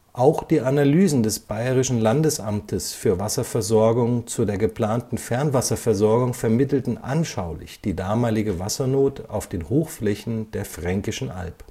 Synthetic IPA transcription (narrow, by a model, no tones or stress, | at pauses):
ʔaʊxd̥iːʔanalyːzn̩dɛsb̥aɪʁ̞ɪʃn̩landəsʔamtʰəsfyːɐvasɐfɛɐzɔɐɡʊŋt͡sudeːɐɡəpl̥aːntn̩fɛɐnvasɐfɛɐzɔɐɡʊŋfɛɐmɪtl̩tn̩ʔa̰nʃaʊlɪ̰çd̥iːdaːmaːlɪɡəvasɐnoːta̰ʊfd̥eːnhoːxflɛçn̩d̥eːɐfʁ̥ɛŋkɪʃn̩ʔa̰lp